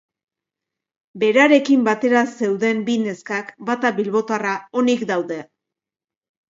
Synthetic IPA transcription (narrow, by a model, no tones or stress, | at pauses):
be̞ɾaɾe̞kimbat̪e̞ɾase̞wðe̞mbine̞skakbat̪aβilβo̞t̪oarao̞nikd̪awðe̞